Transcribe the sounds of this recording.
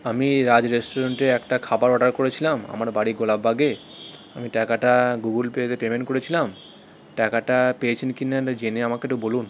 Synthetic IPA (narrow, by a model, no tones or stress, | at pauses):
amiɾad͡ʑɾesʈoɾaɳʈeɛkʈakʰabaɾɔɖaɾkoɾet͡ɕʰilama̰maɾbaɽiɡolabːaɡe | amiʈakaʈaɡuɡulpeet̪epemeɳʈkoɾet͡ɕʰilam | ʈakaʈapeet͡ɕʰinkinaad͡ʑeneamakeʈubolun